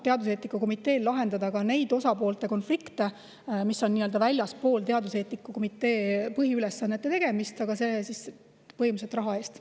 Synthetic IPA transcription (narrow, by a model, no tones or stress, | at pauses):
t̪e̞ɑd̪use̞ːt̪nikːˑuko̞mit̪ːˑe̞ːllɑɦend̪̥ɑd̪ɑkɑne̞jd̪o̞sɑpo̞ːlt̪ˑe̞ko̞nflikt̪e̞ | misːo̞nːiːø̞ld̪ɑvælʲjɑspo̞ːlt̪e̞ɑd̪use̞ːt̪nikːˑuko̞mit̪ːˑe̞ːpɤɦiylesːɑnːet̪ːe̞t̪e̞ɡ̥e̞mist̪ɑɡ̥ɑse̞sis | pɤjmus̬et̪ːˑrɑɦɑe̞ːst̪